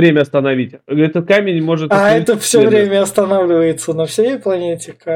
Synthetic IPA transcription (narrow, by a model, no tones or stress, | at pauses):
ɾʲemʲəɐst̪ənɐvʲitʲɛt̪ət̪̚kamʲɪnʲmo̞ʐɨt̪aɛt̪əfsʲovɾʲemʲəɐst̪ɐnavlʲɪvəjɪt̪sənəfsʲejɪplˠɐnʲetʲɪkə